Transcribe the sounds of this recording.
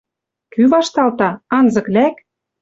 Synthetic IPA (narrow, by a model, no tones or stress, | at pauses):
kyβɑʃt̪ɑlt̪ɑɑnzɤ̆klæk